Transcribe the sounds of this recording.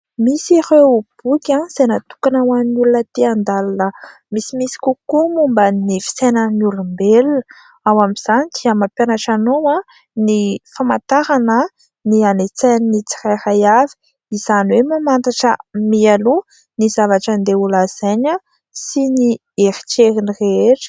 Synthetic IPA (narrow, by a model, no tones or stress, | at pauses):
misiɾeub̥ukʲanz̥ajnat̪u̥kanawaninulunət̪eand̪alanə | misimisi̥kukumumbənifi̥senənulumbelun | awamiz̥anid̪iəmapjanaʈ͡ʂanowa | nifamat̪aɾanə | nianet͡sannit͡si̥rajrajavi̥ | izaniwemamant̪aʈ͡ʂə̰mialu | nizavaʈ͡ʂənd̪eulaz̥ajɲa | sini | eɾi̥t͡ʃeɾinireeʈ͡ʂi̥